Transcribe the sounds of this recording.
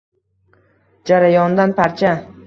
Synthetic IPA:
d͡ʒaɾajɒnd̪anpaɾt͡ʃʰa

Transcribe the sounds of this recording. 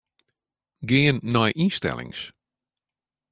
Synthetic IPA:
ɡeːənːajʔinstɛ̰lˠɪ̰ŋs

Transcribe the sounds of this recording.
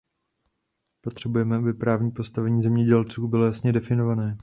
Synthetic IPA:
po̞t̪r̥ɛbujɛmɛʔabɪpɾaːvɲiːpo̞st̪avɛɲiːzɛmɲɛɟɛlt͡suːbɪlo̞jasɲɛdɛfɪno̞vanɛː

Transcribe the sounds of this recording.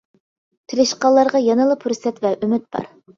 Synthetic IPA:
t̪ʰɪɾɪʃqɑlˠːɑɾʁɑjɑnɨlˠɨpʰuɾsɛt̪vɛʔymyt̪̚b̥ɑ̰ɾ

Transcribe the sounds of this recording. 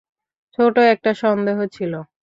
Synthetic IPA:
t͡ɕʰoʈoɛk̚ʈaʃɔnd̪eɦot͡ɕʰilo

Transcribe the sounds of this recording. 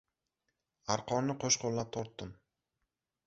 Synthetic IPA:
aɾqʰɒmnɪqʰoʃqʰolˠlap̚t̪ʰɒɾt̪ːɪm

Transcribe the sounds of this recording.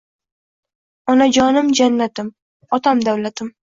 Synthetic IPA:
ɒnad͡ʒɒnɪmd͡ʒanːat̪ɪm | ɒt̪ʰamd̪awlat̪ʰɪm

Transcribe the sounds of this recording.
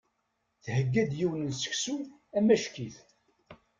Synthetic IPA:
θhəɡːæd̪jiwnənsə̥ksu | æmæʃkiθ

